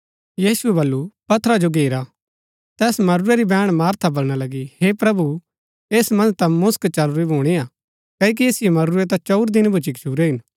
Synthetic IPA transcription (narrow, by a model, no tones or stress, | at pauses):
jiːsuɛbɐlːupɐt̪ʰːɾad͡ʒoɡʱeːɾa | t̪ɛːsmɐɾʊɾeɾibɛːɽ̃maːɾt̪ʰabɐlɽ̃alɐɡihepɾɐbu | eːsmɐ̃nd͡ʒt̪ɐmʊskt͡ʃɐlɾibʱoːɽ̃ia | kɐːik̬ieːsɪjemɐɾʊɾet̪̬ãt͡ʃɔʊɾd̪ɪnbʱʊt͡ʃikt͡ʃʰuːɾeɦɪn